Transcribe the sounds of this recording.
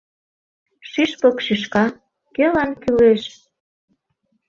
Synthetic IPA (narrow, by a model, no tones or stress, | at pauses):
ʃiʃpokʃiʃkɑ | kelɑnkyleʃ